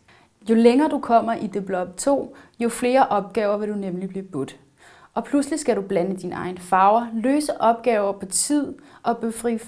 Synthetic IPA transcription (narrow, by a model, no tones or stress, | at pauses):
jo̝leŋɐːd̥ukʰɒ̽m̰ɐʔid̥eb̥lɒ̽b̥t͡sʰo̝̰ːjo̝fle̝ːɐʔɒ̽b̥̚ɡ̥ɛːʊɐʋe̝ɾ̥unemlib̥liːb̥ud̥ | ʔɒ̽pʰluslisɡ̥æɾub̥lænəd̥inɑ̈ɪnfɑ̈ʊɐløːsəʔɒ̽b̥̚ɡ̥ɛːʊɐpʰɒ̽t͡sʰið̞̰ˠʔɒ̽b̥efʁi